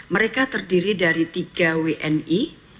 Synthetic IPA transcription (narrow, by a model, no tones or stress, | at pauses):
məɾekat̪ərdiɾidaɾit̪iɡaweʔɛni